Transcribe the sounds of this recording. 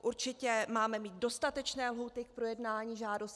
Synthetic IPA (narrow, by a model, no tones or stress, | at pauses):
ʔuɾt͡ʃɪcɛmaːmɛmiːt̪̚do̞st̪at̪ɛt͡ʃnɛːlɦuːt̪ɪk̚pɾo̞jɛdnaːɲiːʒaːdo̞st